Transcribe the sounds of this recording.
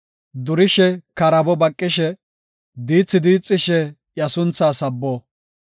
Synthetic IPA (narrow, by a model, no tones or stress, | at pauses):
d̪ʊɾɪʃɛkɐɾɐbɔbɐkʼːɪʃɛ | d̪iːt͡sʼːɪd̪iːt͡sʼːɪʃɛ | jɐsʊnt͡sːaːsɐbːɔː